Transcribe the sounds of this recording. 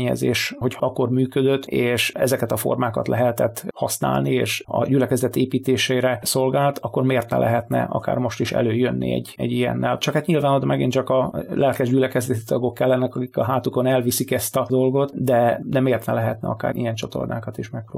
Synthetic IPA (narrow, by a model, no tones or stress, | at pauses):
ɲɛ̰zḛːʃho̞cʰhɒɒkːo̞rmyːkød̪øt̪ːeːʃɛzɛkɛt̪ɒfo̞̰rmaːkɒ̰t̪lɛɦɛt̪ɛt̪ːhɒsna̰ːlnieːʃɒ̰ɟylɛkɛzɛt̪eːpiːt̪eːʃejɾɛso̞lɡaːlt̪ʰɒkːo̞rmeːrt̪nɛ̰lʔɛ̰ɦɛt̪nɛ̰ʔɒ̰ka̰ːrmo̞ʃt̪iʃɛ̰løːjønːḭɛ̰ɟːɛ̰ɟijɛ̰nːɛlt͡ʃɒkat̪ɲilvaːnod̪omɛɡint͡ʃɒkɒlʔɛlkɛʒɟylɛkɛzɛt̪it̪ɒɡo̞kːɛlːɛnɛkɒkikɒɦaːt̪uko̞nɛlvisikɛst̪ɒd̪olɡo̞t̪d̪ɛd̪ɛmeːrt̪nɛlɛɦɛt̪nɛ̰ɒka̰ːɾḭjɛnt͡ʃɒt̪o̞̰rnaːkɒt̪iʃmɛkro̰